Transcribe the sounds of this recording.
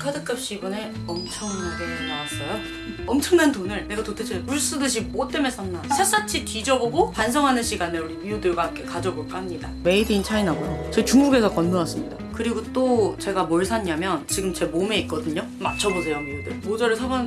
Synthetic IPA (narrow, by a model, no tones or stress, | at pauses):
kʰadɯk͈ʰap̚ɕ͈iɡʌne̞ | ʌmt͡ɕʰʌŋɡeɡenawas͈ʌjo | ʌmt͡ɕʰʌŋnantonɯɭne̞ɡatotʰet͡ɕʰepuɭs͈udɯɕ̬ʰimot͈emesʰannasʰes͈at͡ɕʰitid͡ʑʌɡʌɡopans̬ʰʌŋɦanɯnɕʰiɡaneuɾimijudɯɭɡak͈ekad͡ʑʌboɭk͈amɲida̰me̞idiːnt͡ɕʰainɦaɡojot͡ɕʌɡit͡ɕuŋɡuɡe̞sʰʌkʌnːoas͈ɯmɲida̰kɯɾiɡot͈ot͡ɕe̞ɡamoɭsʰaɲɲamjʌnt͡ɕiɡɯmt͡ɕe̞mome̞ik͈ʌdɯɲo | mat͡ɕʰʌbosʰe̞jomijudɯɭmod͡ʑʌɾɯɭsʰabʌn